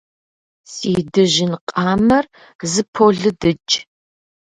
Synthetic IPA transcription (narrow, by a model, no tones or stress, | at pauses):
siːdɨʒɪnqʼɑːmɐr | zɨpʰoɮɨdɨt͡ʃʼ